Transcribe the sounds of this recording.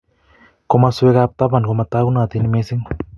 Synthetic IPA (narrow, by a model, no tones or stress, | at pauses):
komasuekap̚t̪apankomat̪aɡunat̪inimesiŋ